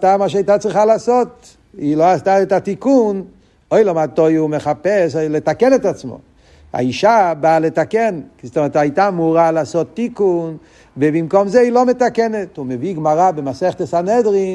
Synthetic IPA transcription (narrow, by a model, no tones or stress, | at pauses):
astamaʃ̬ajtat͡sʁiχalasot | iloastaɛtatikun | ojlamatojumeχapɛslɛtakɛnɛtat͡smo̰ | a̰iʃabalɛtakɛnkizot̪ɔmɛtajtamuʁalasot̪ːikun | vevimkomzɛilometakɛnetumeviɡmaʁabemasɛχt̪esanɛdʁi